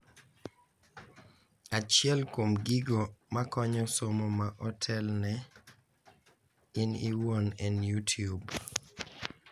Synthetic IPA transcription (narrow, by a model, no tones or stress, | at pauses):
at͡ʃɪɛlkomɡiɡomakɔɲɔsomomaʔɔtʰɛlnɛ | ɪniwonɛnjutʰiub